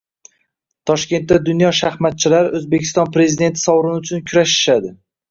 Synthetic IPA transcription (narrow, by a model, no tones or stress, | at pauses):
t̪ʰɒʃkʲe̞nt̪ːad̪ʊnjɒʃahmat̪̚t͡ʃʰɪlaɾozbekʲʰɪ̥st̪ɒnpɾe̞zid̪e̞nt̪ʰɪ̥sɒwɾɪnʊt͡ʃʰʊnkʲʰʊɾaʃɪ̥ʃad̪ɪ